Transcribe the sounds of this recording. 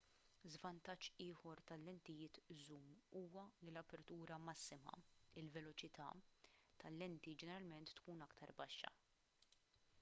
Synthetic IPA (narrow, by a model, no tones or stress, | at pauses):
zvɐnt̪ɐt͡ʃːɪːhɔɾt̪ɐlːɛnt̪ɪjɪːt̪zuːmuːwɐlilɐpɛɾt̪uːɾɐmɐsːɪmɐ̰ɪlvɛlɔt͡ʃɪt̪ɐ̰t̪ʰɐlːɛnt̪id͡ʒɛnɛɾɐlmɛnt̪ːkuːnɐkt̪ʰɐɾbɐʃːɐ̰